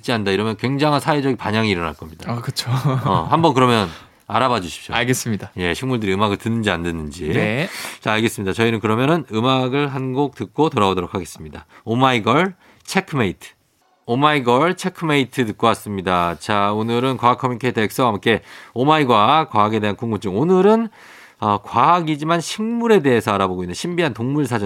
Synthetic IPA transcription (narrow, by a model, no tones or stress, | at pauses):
t͡ɕ͈iandaiɾʌmjʌnkwe̞ŋd͡ʑaŋɦansʰaed͡ʑʌɡinpaɲaŋiːɾʌna̰ɭk͈ʌmɲid̥akɯt͡ɕʰoʌhambʌnkɯɾʌmjʌn | aɾabad͡ʑuɕʰi̥p̚ɕ͈oaɭɡes͈ɯmɲidaje̞ɕʰiŋmuɭdɯɾiɯmaɡɯɭtɯnːɯnd͡ʑiandɯnːɯnd͡ʑi | t͡ɕaːɭɡe̞s͈ɯmɲidat͡ɕʌinɯnkɯɾʌmjʌnɯnɯmaɡɯɭɦanɡok̚tɯk͈otoɾaodoɾokʰaɡe̞s͈ɯmɲidaomaiɡʌɭ | t͡ɕʰe̞kʰɯmeitʰɯ̥ | omaiɡʌɭt͡ɕʰe̞kʰɯmeitʰɯt̬ɯk̚k͈owas͈ɯmɲidat͡ɕaonɯɾɯnkwaɦak͈ʰːʌminkʰetek̚s͈ʌɦamk͈ʰe̞omaiɡwakwaɦaɡe̞de̞ɦankuŋɡut͡ɕ͈ɯŋonɯɾɯn | ʌkwaɦaɡid͡ʑimanɕʰiŋmuɾe̞de̞ɦesʰʌaɾaboɡoinːɯnɕʰimbiɦantoŋmuɭsʰad͡ʑʌ